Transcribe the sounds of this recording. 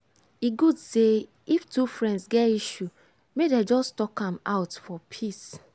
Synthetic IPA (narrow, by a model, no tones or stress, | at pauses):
iɡudse | iftufɹɛ̃ndsɡɛtiʃu | medɛd͡ʒɔstɔkãmaʊtfɔpʰis